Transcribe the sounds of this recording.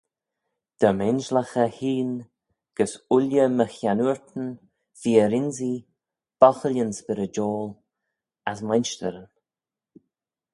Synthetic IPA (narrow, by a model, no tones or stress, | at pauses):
d̪̥əmɛnʒləxəhiːn | ɡ̥əsʊljəməxjanuɹt̪ən̩ | fiːəɾɪnzi | b̥ɔxəljənsbɪɾəd͡ʒɔːl | asmanʃtə̰ɾən